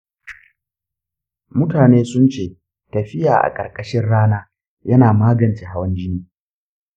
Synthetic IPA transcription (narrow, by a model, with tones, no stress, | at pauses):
mʊ˦taː˨neː˦sʊ˦nt͡ʃeː˨ | tɐ˨ɸɪ˦jaː˨ʔa̰˨kʼɐ˨kʼɐ˦ʃɪ˦nɽaː˦naː˦ | jɐ˦naː˨maː˦ɡɐ˨nt͡ʃeː˨ɦa˦wɐ˦nd͡ʒɪ˦niː˦